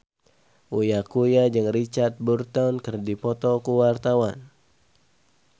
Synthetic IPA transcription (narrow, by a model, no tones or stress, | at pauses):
ʔujakujad͡ʒɨŋrit͡ʃart̪̚burt̪awnkɨrdipɔt̪ɔkuwart̪awan